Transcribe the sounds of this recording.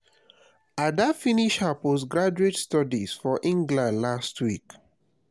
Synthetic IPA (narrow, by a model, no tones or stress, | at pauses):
adafiniʃhaposɡɹad͡ʒuetstɔdisfɔʔĩŋɡlãndlastʰwik